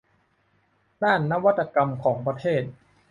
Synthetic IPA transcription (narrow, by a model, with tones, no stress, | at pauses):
daː˥˩nːa˦˥wa˦˥t̪ːa˧ka˧mkʰɔː˩˦ŋpɾa˧t̪ʰeː˥˩t̪̚